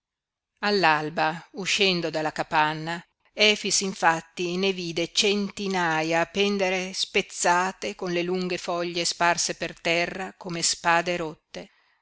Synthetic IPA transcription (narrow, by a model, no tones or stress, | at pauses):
alːalbauʃːɛnd̪od̪alːakapanːa | ɛːfisiɱfat̪ːineviːd̪et͡ʃent̪inajaːpɛnd̪eɾespet̪sːaːt̪ekonleluŋɡefɔʎːesparsepert̪ɛrːakomespaːd̪eɾot̪ːe